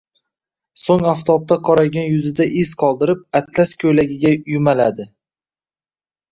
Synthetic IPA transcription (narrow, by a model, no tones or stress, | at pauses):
soŋaft̪ʰɒp̚t̪ʰaqʰɒɾaɡʲanjʊzɪd̪aʔɪzqʰɒlˠd̪ɪɾɪp̚at̪ʰlaskʲʰɵjlaɡʲɪɡʲajʊmalad̪ɪ